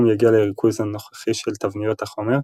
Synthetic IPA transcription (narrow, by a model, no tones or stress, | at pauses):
mjaɡialeʁikʰuzhanoχḁχiʃelt̪avnijo̞t̪haχo̞meʁ